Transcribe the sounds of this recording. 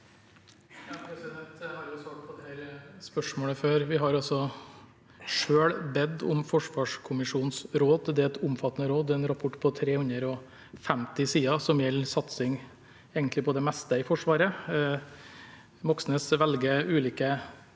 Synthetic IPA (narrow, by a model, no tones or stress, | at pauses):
jɑpʰɾɛsɪd̪ɛnt̪hɑɾjʊsʋɑːɡpʰɔd̪ɛæɾspœʂmoːɽəføːɾʋɪɦɑɾɑlsɔ | ʂøːɭbɛd̪ːɔ̰mfɔʂʋɑːʂkʰʊmɪʂuːnsɾoːd̪d̪ɛɛt̪ʰʊmfɑt̪ːənəɾoːd̪ɛnɾɑpʰɔʈːpʰɔt̪ʰɾeːhʉnd̪əɾɔ | fæmt̪ɪsiːɑsɔmjɛlːsɑt̪sɪŋ | eːɡənt̪lɪpʰɔd̪ɛmɛst̪əɪfɔʂʋɑːɾə | mɔksnəsʋɛlɡəʉːliːkə